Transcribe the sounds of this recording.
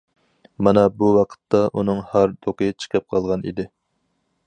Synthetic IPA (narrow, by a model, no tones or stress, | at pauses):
mɑnɑbuwɑqʰə̥t̪ːɑʔunɨŋhɑɾt̪ʰoqət͡ʃʰə̥qʰəp̚qʰɑlˠʁɑnʔḭd̪ɪ